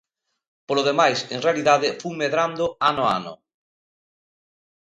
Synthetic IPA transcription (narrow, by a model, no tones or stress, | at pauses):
poloð̞emajseŋrealiðað̞ɪfumeðɾand̪ʊanoa̰nʊ̰